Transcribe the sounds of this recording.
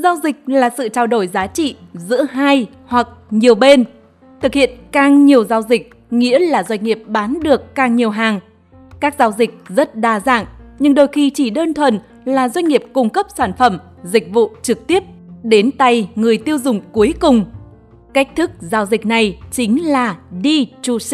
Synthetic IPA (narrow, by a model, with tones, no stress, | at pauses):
zaː˨˧˦wzï˨˩k̚laː˨˩sɨ̰˧˨t͡ɕaː˧wɗo˧˩jzaː˨˦t͡ɕḭ˧˨zɨ̰˧˥əɦaː˧j | hwa˨˩k̚ɲi˨˩əwɓe˧n | t̪ʰɨ˨˩k̚hḭ˧˨ənkaː˨˩ŋɲi˨˩əwzaː˨˧˦wzï˨˩k̚ | ŋḭ˧˥əlaː˨˩zwa˧jŋ̟ŋi˨˩əp̚ɓaː˨˦nɗɨ˨˩əkːaː˨˩ŋɲi˨˩əwɦaː˨˩ŋ | kaː˦˥k̚zaː˨˧˦wzï˨˩k̟̚zə˦˥t̚ɗaː˨˧˩za̰ː˧˨ŋɲɨ˧ŋɗo˧˩jxi˧˩t͡ɕi˧˩ɗəː˧nt̪ʰwə˨˩n | laː˨˩zwa˧jŋ̟ŋi˨˩əp̚kʊ˧ŋ͡mkə˦˥p̚saː˧˩nfə˧˩m | zï˨˩k̟̚vṵ˧˨t͡ɕɨ˨˩k̚t̪i˦˥əp̚ɗe˨˦nt̪a˧jŋɨ˨˩əjt̪i˧əwzʊ˨˩ŋ͡mku˨˦əjkʊ˨˩ŋ͡m | ka˦˥k̟̚t̪ʰɨ˦˥k̚zaː˨˦wzï˨˩k̟̚na˨˩jt͡ɕï˨˦ŋ̟laː˨˩ɗi˧t͡ɕu˧˩˧